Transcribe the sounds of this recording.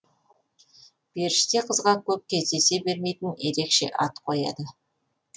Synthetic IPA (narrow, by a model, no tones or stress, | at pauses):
b̥e̞ɾʃɪ̥t̪e̞qʰəzʁɑkʲʰɵp̚kʲʰe̞zd̪e̞se̞be̞ɾme̞jt̪ɪnje̞ɾe̞kʃe̞̰ʔɑt̪qʰo̞jɑ̰d̪ə